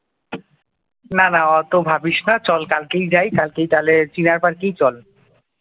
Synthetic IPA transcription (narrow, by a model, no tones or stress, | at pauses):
nanaɔt̪obʱabiʃnat͡ɕɔlkalkejd͡ʑajkalkejt̪alet͡ɕinaɾpaɾkejt͡ɕɔl